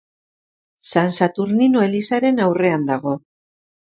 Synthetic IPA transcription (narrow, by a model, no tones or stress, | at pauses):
sansat̪uɾninoe̞lisaɾe̞nawre̞and̪aɣ̞o̞